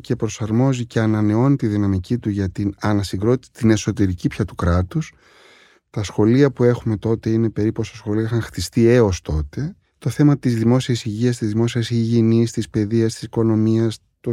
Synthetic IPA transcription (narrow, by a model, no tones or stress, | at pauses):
ce̞pɾo̞sɐɾmo̞zice̞ɐnɐne̞o̞nit̪iðinɐmicit̪uʝɐt̪inɐnɐsiɡɾo̞t̪t̪ine̞so̞t̪e̞ɾicipçɐt̪ukɾɐt̪us | t̪ɐsxo̞liɐpue̞xume̞t̪o̞t̪e̞ine̞pe̞ɾiposɐsxo̞liixɐŋxt̪ist̪ie̞o̞st̪o̞t̪e̞ | t̪o̞θe̞mɐt̪izðimo̞siɐsiʝiɐst̪izðimo̞siɐsiʝinist̪ispe̞ðiɐst̪i̥siko̞no̞miɐs | t̪o